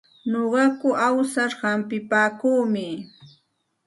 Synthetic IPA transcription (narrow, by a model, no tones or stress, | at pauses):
ɲoɢɑkʊʔawsaɾhampɪpaːkuːmɪ